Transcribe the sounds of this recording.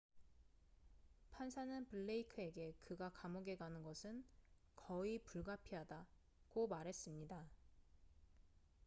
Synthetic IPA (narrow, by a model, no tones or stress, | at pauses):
pʰansʰanɯnpɯɭːeikʰɯe̞ɡe̞kɯɡakamoɡe̞ɡanɯnɡʌsʰɯn | kʌipuɭɡapʰiɦada | komaɾɦe̞s͈ɯmɲida